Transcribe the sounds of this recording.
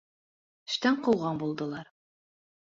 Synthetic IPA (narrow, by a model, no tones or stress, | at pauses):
ɘ̆ʃt̪æɴqɤ̆wʁɑɴbulˠd̪ɤ̆lˠɑɾ